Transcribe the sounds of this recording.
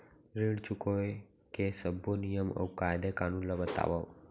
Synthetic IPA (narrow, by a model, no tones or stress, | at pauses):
ɾeɽt͡ʃukoe | kesəbʱonijəmə̰wkajd̪ekanũnlabət̪a̰ʋəw